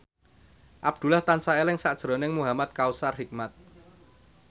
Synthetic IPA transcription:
ʔab̥̚d̪̥ṳlaht̪ansaelɪŋsaʔd̥ʒ̥ɾɔ̤nɪŋmuɦamat̪̚kausarɦik̚mat̪̚

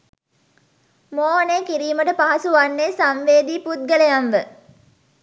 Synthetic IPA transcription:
moːɦnekiɾiːməʈəpaɦɐsuʋanːesanʋeːd̪iput̪̚ɡəlejanʋə

